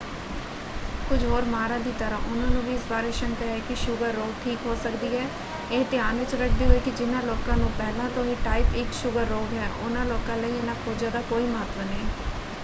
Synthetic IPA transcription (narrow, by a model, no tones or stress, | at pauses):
kʊd͡ʒʱɦoːɾmaːɾãːd̪iːt̪əɾãːʔʊnãːnũːʋiːɪsbaːɾeːʃəŋkəɾakɪʃʊɡəɾːoːɡ̚ʈʰiːkɦoːsəkd̪iːɦɛː | eːt̪ɪaːnʋɪt͡ʃɾək̚ʰd̪iːɦoiːkɪd͡ʒɪnãːloːkãːnũːpɛːlãːt̪õːiːʈaːɪpɪkʃʊɡəɾːoːɡɦɛːʔʊ̰nãːloːkãːləiaːnakʰoːd͡ʒaːd̪aːkoːiːmaːt̪ʋənẽː